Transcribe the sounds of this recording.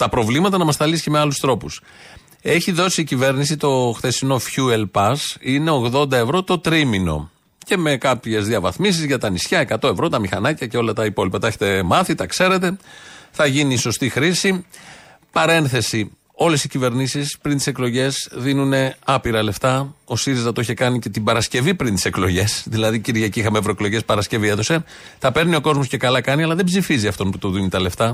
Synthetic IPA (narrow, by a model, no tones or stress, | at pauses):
t̪ɐpɾo̞vlimɐt̪ɐnɐmɐst̪ɐlisceme̞ɐlust̪ɾo̞pus | e̞çiðo̞siːcive̞ɾnis̬it̪o̞xθe̞sino̞fçuelpɐsine̞oɣðo̞nd̪ɐe̞vɾo̞t̪o̞t̪ɾimino̞̰ | ce̞me̞kɐpçe̞zðiɐvɐθmis̬izʝɐt̪ɐnisçɐe̞kɐt̪o̞e̞vɾo̞t̪ɐmixɐnɐcɐce̞o̞lɐt̪ɐipo̞lipɐt̪ɐeçet̪e̞mɐθit̪ɐkse̞ɾe̞t̪e̞θɐʝiniso̞st̪ixɾisi | pɐɾe̞nθe̞si | o̞le̞sicive̞ɾnisispɾint̪i̥se̞klo̞ʝe̞sðinune̞ɐpiɾɐle̞ft̪ɐo̞siɾizɐt̪oiçekɐnice̞t̪ibɐɾɐsce̞vipɾint̪i̥se̞klo̞ʝe̞sðilɐðiciɾʝɐciixɐmeːvɾoeklo̞ʝe̞spɐɾɐsce̞vie̞ðo̞se̞ | t̪ɐpe̞ɾnio̞ko̞zmo̞sce̞kɐlɐkɐniɐlɐðebzifiziɐft̪o̞nput̪oðinit̪ɐle̞ft̪ɐ